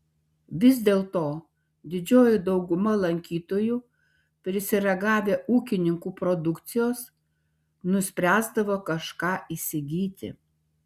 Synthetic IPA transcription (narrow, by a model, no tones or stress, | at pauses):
ʋʲɪzʲd̪ʲeːlˠt̪oː | d̪ʲɪd͡ʒʲoːjʊd̪ɒʊɡʊmɐlˠɐŋʲkʲiːt̪oːjuː | pʲɾʲɪsʲɪɾʲɐɡɑːʋʲeːʔuːkʲɪnʲɪŋkuːpɾɔd̪ʊkt̪sʲɪjoːs | nʊsʲpʲɾʲæːzd̪ɐʋoːkɐʃkɑːʔiːsʲɪɡʲiːt̪ʲɪ̰